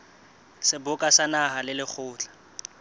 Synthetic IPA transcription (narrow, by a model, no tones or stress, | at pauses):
sɪbʊkʼasanaɦalɪlɪk͡xʰʊːt͡ɬḁ